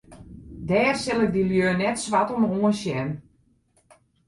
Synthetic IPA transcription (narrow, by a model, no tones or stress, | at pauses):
dɛːrsɪlˠɪk̚diljøːnɛtsʋatɔmoənsjɛn